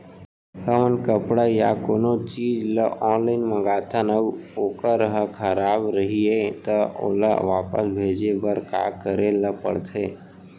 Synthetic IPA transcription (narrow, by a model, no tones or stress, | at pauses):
həmənkəpɽajakoːnot͡ʃiːd͡ʒləʔɔːnlaːɪnməɡaːt̪ʰənəoːkəɾɦəkʰəɾaːbɾəɦiet̪əo̰lə̰ʋaːpə̰sbʱeːd͡ʒebəɾka̰ːkəɾeləpə̰ɽt̪ʰeː